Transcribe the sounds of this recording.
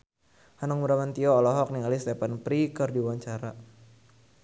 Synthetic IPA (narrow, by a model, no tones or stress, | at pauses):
hanaŋmuɾamant̪iɔːlɔɦɔk̚niŋalist̪ɛpanpɾikərdiwaɲt͡ʃaɾa